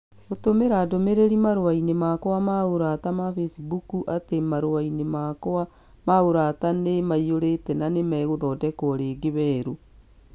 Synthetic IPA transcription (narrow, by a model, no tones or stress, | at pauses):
otomeɾaːdomeɾeɾimaɾowainemakoamaoɾatamafesibukuʔatemaɾoainemaka | maoɾatanemaioɾetɛnanemɛɣoðɔdɛkɔɾeːɡeβɛːɾo